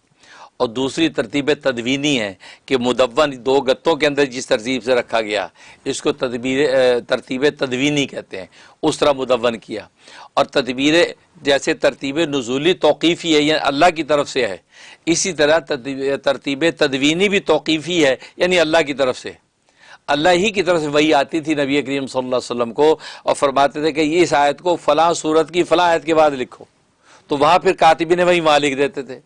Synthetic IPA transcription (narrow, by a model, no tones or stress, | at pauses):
ɔːɾd̪uːsɾit̪ɐɾt̪iːbẽt̪ɐd̪ʋiːniɦɛ̃ːkemʊd̪əʋːənd̪oːɡɐt̪ːõk̬eɐ̃nd̪əɾd͡ʒɪst̪ɐɾt̪iːbseɾɐkʰːaɡɐja̰ːɪskot̪ɐit̪ɐɾt̪iːbẽt̪ɐd̪ʋiːnĩkɛɦt̪eɦɛ̰̃ː | ʊst̪əɾamʊd̪əʋːənkija̰ː | ɔːɾt̪ɐd̪biːɾe | d͡ʒɛːset̪ɐɾt̪iːbenʊzuːlit̪ɔːqiːfiɦɛjaʔɐ̰lːaɦk̬it̪̬ɐɾəfseɦɛ̰ː | ɪsit̪ɐɾət̪ɐɾt̪iːbet̪ɐd̪ʋiːnibʱit̪ɔːqiːfiɦɛjaːniɐlːaɦk̬it̪ɐɾəfsḛɛ | ɐlːaɦɦikit̪ɐɾəfseʋɐɦiaːt̪it̪ʰinɐbieːkɐɾiːmsɐlːəlːaːsəlːəmkoɔ̰ːɾfɐɾmaːt̪et̪ʰẽkeeɪs̬aːjət̪kofɐlãːsuːɾət̪kifɐlãaːjət̪kebaːd̪lɪkʰo̰ː | t̪oʋɐɦãpʰɪɾkaːt̪ɪbineʋɐɦimaːlɪkd̪eːt̪et̪ʰeː